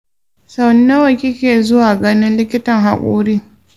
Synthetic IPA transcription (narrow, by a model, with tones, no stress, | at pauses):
sa˦wnɐ˦wɐ˨kʲɪ˦kʲeː˨zʊ˦waː˨ɡɐ˦nɪ˦nlɪ˦kʲɪ˦tɐ˨ŋɦa˨kʷʼo̰ː˦ɾiː˦